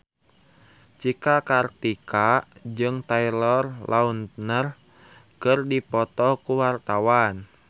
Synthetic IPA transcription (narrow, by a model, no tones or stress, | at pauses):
t͡ʃikakart̪ikad͡ʒɨŋt̪ailɔrlʔaunt̪nər | kɨrdipɔt̪ɔkuwart̪awan